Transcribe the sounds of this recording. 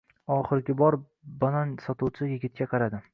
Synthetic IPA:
ɒχɪɾɡʲɪbɒɾ | banɒnsɒt̪ʰuwt͡ʃʰɪjɪɡʲɪt̪̚kʲaqʰɑɾad̪ɪ

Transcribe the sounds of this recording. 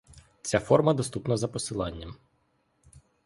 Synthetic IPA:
t͡sʲafɔrmɐd̪ɔst̪upnɔzɐpɔsɪlˠɑnʲːɐm

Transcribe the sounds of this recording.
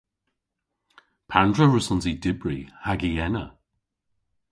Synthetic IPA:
pʰandɹəɹʊsɔnzidɪbɹihaɡiɛnə̰

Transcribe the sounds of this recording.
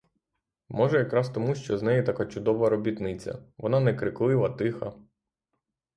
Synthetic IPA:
mɔʒɛjɐkɾɑst̪ɔmuʃt͡ʃɔznɛjit̪ɐkɑt͡ʃʊd̪ɔʋɐɾɔbʲit̪nɪt͡sʲɐ̰ʋɔnɑnɛkɾɪklˠɪʋˠɐt̪ɪxɐ̰

